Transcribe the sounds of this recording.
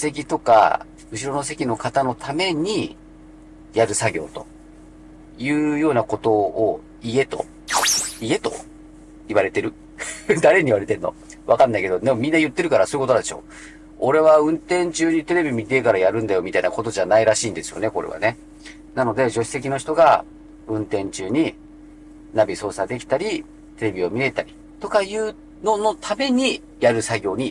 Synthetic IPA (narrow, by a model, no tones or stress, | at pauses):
se̞k̬ʲit̪o̞ka̰ | ɯ̟ɕiɾo̞no̞s̬e̞kʲino̞kat̪ano̞t̪ʰame̞ɲ̟i | jaɾɯ̟saɡʲo̞̰ːt̪o̞̰ | jɯ̟ːjo̞ːnako̞t̪o̞ː | ie̞t̪o̞̰ | ie̞t̪o̞̰ | iβaɾe̞t̪e̞ɾɯ̟ | d̪aɾe̞ɲ̟iβaɾe̞t̪ẽ̞nːo̞̰ | βakãnːaike̞d̪od̪emomʲĩnːajɯ̟t̪ːe̞ɾɯ̟kaɾasoːiɯkot̪onad̪eɕo̞̰ː | o̞ɾe̞βaɯ̟̃nt̪ẽ̞ɲt͡ɕɨːɲ̟it̪e̞ɾe̞bʲimʲit̪e̞kaɾajaɾɯ̟̃nd̪ajo̞mʲit̪ainako̞t̪o̞ʑanaiɾaɕiːnd̪e̞sɨjo̞̰ne̞ko̞ɾe̞̰βa̰ne̞ | nano̞d̪e̞d͡ʑo̞ɕi̥t̪e̞kʲino̞çi̥t̪o̞ɡa | ɯ̟̃nt̪ẽ̞ɲt͡ɕɨːɲ̟i | nabʲiso̞ːsad̪e̞kʲi̥t̪aɾʲi | t̪e̞ɾe̞bʲio̞mʲie̞t̪aɾʲi̥ | t̪o̞kajɯː | no̞no̞t̪ʰame̞ɲ̟i | jaɾɯ̟saɡʲo̞ːɲ̟i